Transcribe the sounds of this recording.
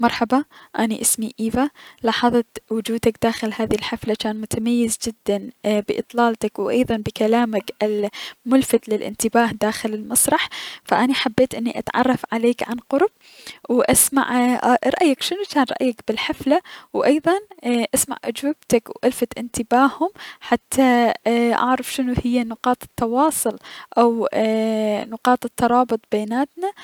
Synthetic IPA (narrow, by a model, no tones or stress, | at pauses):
mɑɾˤħɑbɑʔaniʔɪsmiʔiːvalɑːħɑðˤɑt̪wʊd͡ʒuːd̪akd̪̥aːxɪlhaːðilħaflat͡ʃaːnmʊt̪amajːɪzd͡ʒɪd̪ːanbɪʔɨ̰t̪ˤlɑːlt̪akwʔɑjðˤɑnbɪkalaːmakʔɪlmʊlfat̪lɪlʔɪ̰nt̪ɪbaːhd̪aːxɪlɪlmɑsˤɾˤɑħfaʔanaħabːeːt̪ʔɪnːiʔa̰t̪ʕɑ̰rˤːɑfʕaleːkʕanqʊɾb̥̚ | wʔasma̰ʕɾˤɑ̰ʔjːakʃɪnut͡ʃaːnɾˤɑ̰ʔjːakbɪlħaflawʔɑjðˤɑnʔasma̰ʕʔʊ̰d͡ʒwab̚t̪akwʔalfat̪ʔɪnt̪ɪbaːhhʊmħat̪ʰːaʔa̰ʕɾˤɑfʃɪnuhɪjːanʊqɑːt̪ˤɪ̥t̪ːɑwɑːsˤʊlʔaw | nʊqɑːt̪ˤɪt̪ːɑɾˤɑːbʊt̪ˤbeːnaːt̪na